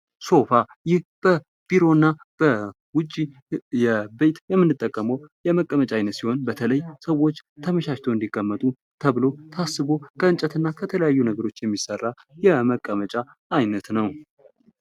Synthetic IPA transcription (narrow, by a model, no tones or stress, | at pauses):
so̞fa | jɪhb̥ə | b̥iɾo̞ɨnːa | b̥ə | wʊt͡ʃʼːi | jɛbe̞t̪jɛmːɨnːɨt̪ʼːəkʼːəməwjɛməkʼːəmət͡ʃʼaajnət̪siho̞nbət̪ʰələjsəwo̞t͡ʃːt̪ʰəməʃaʃt̪ʰoɨnd̪ikʼːəmːət̪ʼu | t̪ʰəβɨlo̞t̪ʰasːɨβo̞kʰəɨnt͡ʃʼət̪ɨnːakʰət̪ʰələjajːunəɡəɾo̞t͡ʃːjɛmːisərːa | jɛməkʼːəmət͡ʃʼaː | jnət̪nəw